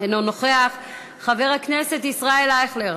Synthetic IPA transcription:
enonoχeaχː | aveʁhaknese̞t̪isʁaelaeχleʁ

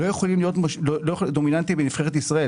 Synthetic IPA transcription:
lojeχolimlijo̞t̪maʃlolojed̪ominant̪ibenifχeʁet̪isʁae

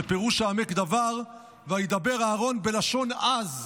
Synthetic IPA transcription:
epeʁuʃaːmekd̪avaʁ | veajid̪abe̞ʁaːʁo̞nbe̞laʃo̞naz

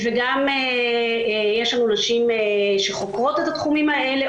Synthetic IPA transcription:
veɡame | jeʃlanunaʃimʃe̞χo̞kʁot̪et̪at̪χumimae̞le

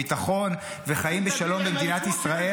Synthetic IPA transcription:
it̪aχo̞n | veχajimbeʃalo̞mbemd̪inat̪isʁae

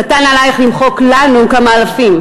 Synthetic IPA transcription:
atanalajeχlimχo̞klanukamaːlafim

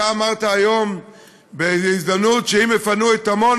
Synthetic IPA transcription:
aːmaʁtaajom | beizd̪amnutʃeimɛfanuɛt̪amon

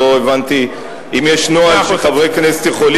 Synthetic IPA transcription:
oevant̪i | imjeʃnoaʃeχavʁejknese̥t̪jeχol

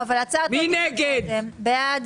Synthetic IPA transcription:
avalat͡satineɡeembead̪

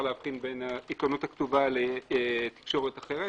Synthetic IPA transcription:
leafχinbenaikonuthaktuvalet̪i̥kʃo̞ʁetaχeʁe

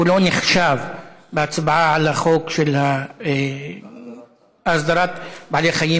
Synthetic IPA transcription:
wɪloːnɪxʃaːvbasbʕaʕalaxoːkʃɪlha | ʔasd̪ɑɾˤɑːt̪baʕleːxajiː

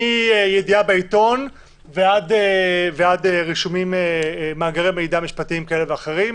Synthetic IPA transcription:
iejediabeit̪o̞n | veadeveadeʁiʃumimemaːɡeʁemeidamiʃpat̪iimkaele̞veaχe̞ʁim

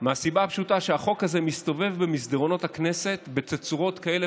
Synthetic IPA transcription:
measibaapʃutaʃeaχo̞khaze̞mist̪o̞ve̞vbemisd̪eʁo̞no̞thakne̞se̞t̪be̞t͡set͡suʁo̞tkae̞le

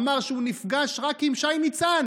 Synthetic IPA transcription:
maʁʃeunifɡaʃʁakimʃajnit͡san

